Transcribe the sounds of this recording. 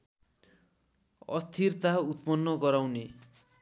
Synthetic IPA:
ʌ̰st̪ʰirt̪aut̪̚pʌnːʌɡʌɾawne

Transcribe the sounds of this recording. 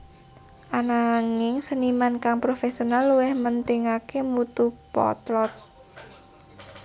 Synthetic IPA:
ʔanaŋɪŋsənimankaŋpɾofesionalːuwɪhmənt̪ɪŋakemut̪uhpɔ̰t̪lɔt̪̚

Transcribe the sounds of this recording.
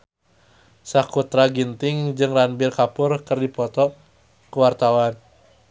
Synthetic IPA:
sakut̪ɾaɡint̪ɪŋd͡ʒɨŋranbɪrkapʊrkɨrdipɔt̪ɔ | kəwart̪awan

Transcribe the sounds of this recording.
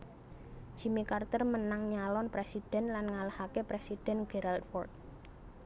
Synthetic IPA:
ʒ̥i̤mikart̪ərmənaŋɲalɔnpɾesid̥ɛ̤nlanŋalahakepɾesid̥ɛ̤nɡ̥ɛɾalt̪fɔrt̪̚

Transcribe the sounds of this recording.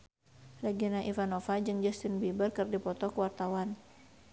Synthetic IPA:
rɛɡinaʔivanofad͡ʒɨŋd͡ʒast̪ɪnbibərkɨrdipɔt̪ɔkəwart̪awan

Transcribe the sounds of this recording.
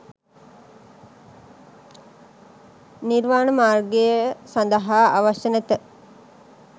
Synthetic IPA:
niɾʋaːɳəmaːrɡejəsand̪əɦaːaʋaʃənet̪ə

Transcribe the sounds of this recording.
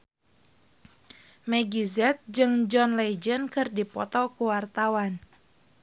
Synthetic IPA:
mɛɡizɛt̪̚d͡ʒɨŋd͡ʒɔnlɛd͡ʒənkɨrdipɔ̰t̪ɔkuwart̪awan

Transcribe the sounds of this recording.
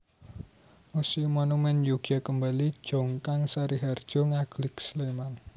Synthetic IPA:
musimɔnumɛnjuɡ̥akəmbali̥ʒ̥ɔŋkaŋsaɾiɦard̥ʒ̥ɔ̤ŋaɡ̥lɪksleman

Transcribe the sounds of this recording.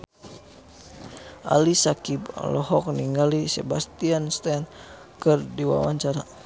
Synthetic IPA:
ʔa̰lisakib̰lɔhɔk̚niŋɡalisɛbast̪ianst̪ɛn | kɨrdiwa̰wa̰ɲt͡ʃaɾa

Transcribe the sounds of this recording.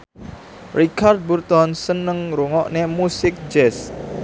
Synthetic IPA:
rikʰard̪̚burt̪ɔnsənəŋɾuŋɔʔnemusɪk̚d͡ʒɛs

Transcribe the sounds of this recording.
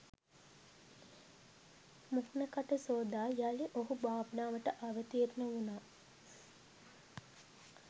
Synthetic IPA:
muknəkaʈəsoːd̪aːjaliʔoɦubaːbənaːʋəʈəʔaʋət̪iet̪unəunaː

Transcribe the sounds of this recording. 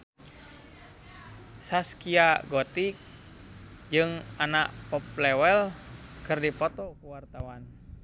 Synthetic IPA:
saskiaɡɔt̪ik̚ | d͡ʒɨŋanaʔpɔplɛwɛlkɨrdipɔt̪ɔkuwart̪awan

